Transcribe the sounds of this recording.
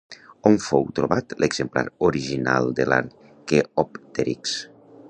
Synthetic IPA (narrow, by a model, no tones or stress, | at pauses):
oɱfowt̪ɾoβat̪lʔəɡzəmpla̰ɾoɾiʒina̰lˠd̪əla̰ɾ | keɔpt̪eɾiks